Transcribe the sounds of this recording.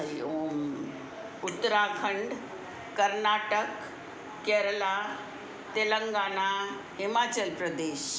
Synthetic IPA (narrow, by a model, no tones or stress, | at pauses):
jom | ut̪ːɾaɡʰʱəɳɖː | əɾnaʈəkː | ɛɾəla | t̪eləŋɡana | ɦimat͡ɕəlpɾəd̪eɕ